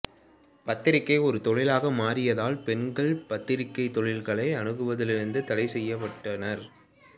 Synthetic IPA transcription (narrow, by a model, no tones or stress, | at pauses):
pɐt̪ːɪɾɪkːɐɪɔɾɯt̪ɔɻɪlaːɣɐmaːɾɪjɐðaːlpɛnɡɐɭpɐt̪ːɪɾɪkːɐɪt̪ːɔɻɪlɣɐɭɐɪɐnɯɣɯʋɐðɪlɪɾɯnd̪ɯt̪ɐlɐɪsɛjːɐpɐʈːɐnɐɾ